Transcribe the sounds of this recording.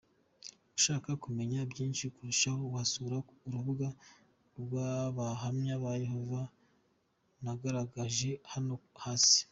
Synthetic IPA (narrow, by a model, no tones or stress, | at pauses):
uʃaːkakume̞ɲabjiːnʃikuɾuʃahohasuɾauɾuβuɡa | ɾɡwaβaɦamɲaβaje̞ho̞va | naɡaɾaɡaʒe̞hanohaːsi̥